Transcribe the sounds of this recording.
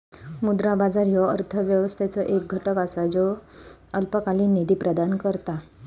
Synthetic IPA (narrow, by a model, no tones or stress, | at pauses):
mud̪ɾabad͡zaɾjɔəɾt̪ʰəʋjəʋəst̪ʰat͡səʔek̚ɡʱəʈəkasad͡zoəlpəkaliːnid̪iːpɾəd̪ankəɾt̪a